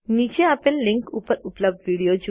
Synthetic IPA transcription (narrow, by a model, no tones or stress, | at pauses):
nid͡ʒeapenliŋkupəɾupləb̚d̪ʋiɽiod͡ʒu